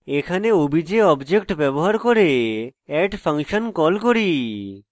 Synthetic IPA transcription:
ekʰaneobʱid͡ʑeɔbd͡ʑekʈbɛboɦaɾkoɾeɛʈpʰaŋʃonkɔlkoɾi

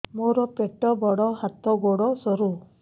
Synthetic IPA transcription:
moɾɔpeʈɔbɔɽɔɦat̪ɔɡoɽɔsɔɾu

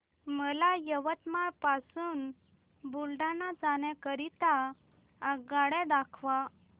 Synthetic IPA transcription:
məlajəʋət̪maɾpasuːn | bulɖanad͡zañɛ̃kəɾit̪a | əɡaɽɛ̃d̪akʰʋa

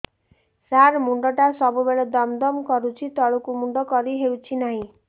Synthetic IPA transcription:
saɾmuɳɖɔʈasɔbubeɭɔd̪ɔmd̪ɔmkɔɾut͡ʃʰit̪ɔɭukumuɳɖɔkɔɾiɦewt͡ʃʰinaɦĩ

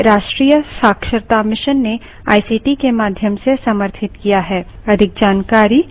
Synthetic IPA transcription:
ɾaːʃʈɾiːjəsaːkʃəɾt̪amɪʃənːe | a̰ːisiːʈikemaːd̪ʱjəmsesɐməɾt̪ʰɪt̪kijaɦɛːɐd̪ʱɪk̚d͡ʒaːnkaːɾi

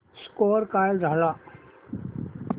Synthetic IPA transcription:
skoːɾkaːjld̪ʱala

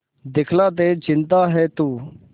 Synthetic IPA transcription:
d̪ɪkʰlaːt̪̬eːd͡ʒɪ̃nt̪aːɦɛːt̪uː

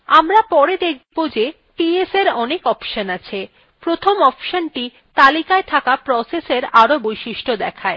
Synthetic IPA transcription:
amɾapɔɾed̪ek̚ʰbod͡ʑe | ʈieseɾɔnekɔpʃonat͡ɕʰe | pɾot̪ʰomɔpʃonʈi | t̪alikaet̪ʰakapɾɔseseɾaɾobojʃiʃʈod̪ɛkʰae

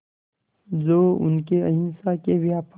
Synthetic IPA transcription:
zoːʊ̰nkeɐɦɪnsakebijaːpʰ

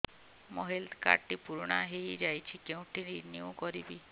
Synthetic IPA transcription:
mɔɦeld̪ka̰ʈipuɾɽ̃aɦejd͡ʒajt͡ʃʰikeũʈʰininiũkɔɾibi

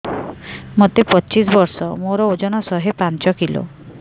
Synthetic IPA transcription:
mot̪epɔt͡ʃisbɔɾsɔmoɾɔod͡ʒɔɽ̃ɔsɔɦepant͡ʃɔkilo̰

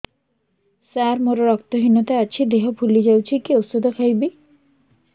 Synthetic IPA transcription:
saɾmoɾoɾɔkt̪oɦinot̪aat͡ɕʰid̪eɦopʰulid͡ʑawt͡ɕʰikiosod̪ʱokʰajbi

